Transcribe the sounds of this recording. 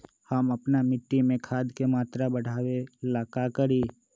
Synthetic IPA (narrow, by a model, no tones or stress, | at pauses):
həmɐpnamɪʈːimẽkʰaːd̪kemaːt̪ɾabəɽ̤ʱaːwelaːkakəɾiː